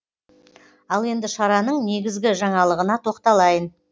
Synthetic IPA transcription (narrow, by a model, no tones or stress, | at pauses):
ɑlˠe̞nd̪ɪʃɑɾɑnəɴne̞ɡʲɪzɡʲɪʒɑɴɑlˠəʁənɑt̪ʰo̞qt̪ɑlˠɑjən